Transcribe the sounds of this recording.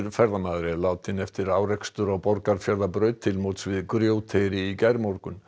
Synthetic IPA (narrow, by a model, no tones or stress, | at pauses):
ɾfɛɾðamaːðɾɪlaːwt̪ʰɪnɛft̪ɪɾaːwrɛkst̪ʏɾaɣpɔɾkaɾfjaɾðapɾœːɥt̪ʰːɪlmowt̪svɪðkɾjoːwt̪ʰejɾɪicajɾmɔɾkʏn